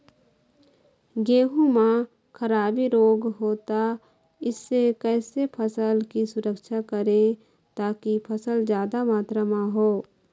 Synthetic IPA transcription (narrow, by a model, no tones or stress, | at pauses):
ɡeːɦũmã | kʰəɾaːbiɾoːɡɦoːt̪a | ɪsːekɛːsepʰəsəlkisʊɾəkʃakəɾẽ | t̪aːkipʰəsəld͡ʒjaːd̪amaːt̪ɾəmãɦoː